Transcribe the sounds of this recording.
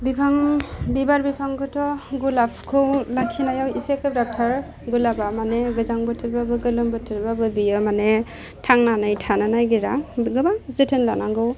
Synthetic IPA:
bipʰaŋbibaɾbipʰaŋkʰɯtʰɔɡulapʰkʰɯwlakʰinajawisekɯp̚dap̚tʰaɾ | ɡulabamaneɡɯzaŋbɯtʰɯɾbabɯɡɯlɯmbɯtʰɯɾbabɯbijɯmane | tʰaŋnanajtʰananajɡiɾaɡɯbaŋzɯtʰɯnlanaŋɡɯw

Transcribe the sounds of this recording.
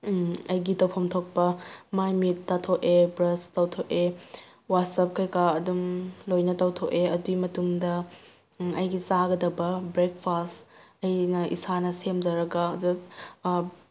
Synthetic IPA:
ɐjɡitɐwpʰomtʰok̚pɐmajmitːatʰoʔebɾɐstɐwtʰoʔe | wat̚sɐp̚kʰɐjkaɐdumlojnɐtɐwtʰoʔeɐduimɐtumdɐ | ɐjɡisaɡɐdɐbɐbɾek̚pʰastɐjnɐʔḭsanɐsemd͡ʒɐɾɐɡɐd͡ʒɐst

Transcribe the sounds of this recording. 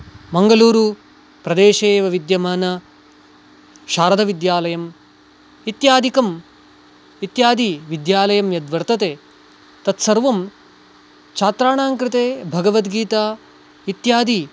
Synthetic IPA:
mɐŋɡɐluːɾu | pɾɐd̪eːʃeːʋɐʋid̪jɐmaːnɐ | ʃaːɾɐd̪ʱɐʋid̪jaːlɐjɐm | it̪jaːd̪ʱikɐm | it̪jaːd̪iʋid̪jaːlɐjɐmjɐd̪ʋɐɾt̪ɐt̪eː | t̪ɐt̪sɐɾʋɐm | t͡ʃʰaːt̪ɾaːɳaːŋkɾɪt̪eːbʱɐɡɐʋɐt̪ɡiːt̪aː | it̪jaːd̪i

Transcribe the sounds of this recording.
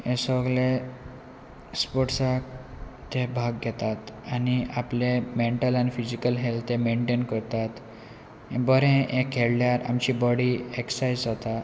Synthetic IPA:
ẽsəɡle | spɔʈsak̚t̪ebʱaɡɡʱɛt̪at̪aniaplemeɳʈəlanifid͡ʑikəlɦelt̪ʰẽmeɳʈenkəɾt̪at̪ | bəɾẽekʰːeɭljaɾa̰mt͡ɕiːbɔɽieksajzd͡zat̪a

